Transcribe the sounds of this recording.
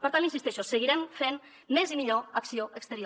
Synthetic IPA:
pəɾt̪alinsist̪eʃosəɣiɾɛmfenː | ezimiʎoəksioəkst̪əɾi

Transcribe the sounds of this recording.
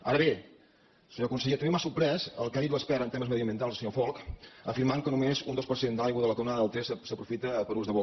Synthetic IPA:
a̰ɾəβe | səɲokunsəʎet̪əmbemasuɾpɾɛzə̰lˠkaðit̪uəspɛɾənt̪eməzməðiəmbiənt̪alˠzsəɲofɔlˠkəfiɾmaŋkənumezund̪ospəɾsend̪əlajɣuðələkuwnaðəəlˠt̪ɾɛssəpɾufit̪əpəɾuzðəβo

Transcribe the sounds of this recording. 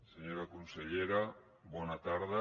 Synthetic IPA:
seɲoɾakunseʎeɾa | βɔnat̪aɾða

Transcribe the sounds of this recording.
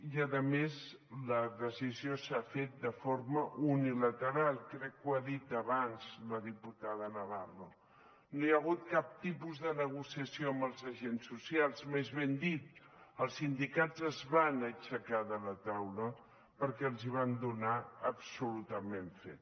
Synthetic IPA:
iəðəmez | ləðəsiziosafet̪̚d̪əfoɾməʔunilət̪əɾalˠkɾɛkːwaðit̪əβanz̥ləðiput̪aðənəβaro | nojəɣ̞ut̪̚kap̚t̪ipuzðənəɣ̞usiəsioəmbəlˠzəʒensːusialˠzmezβend̪it̪ | əlˠsind̪ikazəzβanət͡ʃəkaðələt̪awlə | pəɾkɛəlˠziβ̞and̪unaəpsulut̪əmeɱfḛt̪̚

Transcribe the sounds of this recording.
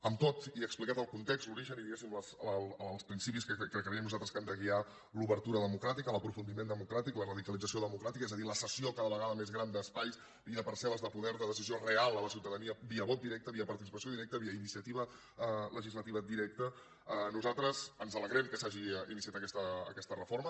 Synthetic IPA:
əmt̪ot̪iəksplikat̪əlˠkunt̪ekst̪luɾiʒəniðiɣesimləslˠspɾinsipiskəəkɾəkɾəɾiəmnuzalˠt̪ɾəskɛmd̪əɣ̞ia | luβəɾt̪uɾəðəmukɾat̪ikələpɾufund̪imend̪əmukɾat̪iklərəðikəlid͡zəsioðəmukɾat̪ikəɛzəðiləsəsiokaðəβəɣaðəmezɣɾand̪əspajs | iəpəɾsɛləzðəpuðɛɾðəðəsiziorealˠələsiwt̪əðəniəbiəβɔt̪̚iɾɛk̚t̪əβiəpəɾt̪isipəsioðiɾɛk̚t̪əβiəinisiət̪iβə | ləʒizlət̪iβəd̪iɾɛk̚t̪ə | ənuzalt̪ɾəzənzələɣɾɛmkəsaʒiinisiat̪əkɛst̪əə̰kɛst̪ərəfoɾmə

